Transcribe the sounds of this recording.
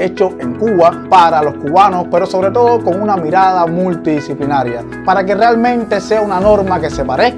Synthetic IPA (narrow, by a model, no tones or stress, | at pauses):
e̞t͡ʃo̞eŋkuβapaɾalo̞skuβanospe̞ɾo̞so̞βɾe̞t̪o̞ðoko̞ŋunamiɾað̞amult̪iðisiplinaɾja | paɾake̞realmẽ̞nt̪e̞se̞aunano̞ɾmake̞se̞paɾe̞